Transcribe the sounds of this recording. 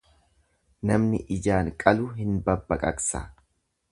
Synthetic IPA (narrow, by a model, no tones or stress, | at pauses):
nɐmnɪ̰ʔɪd͡ʒaːŋkʼɐlʊːɦɪnbɐbːɐkʼɐksɐ̰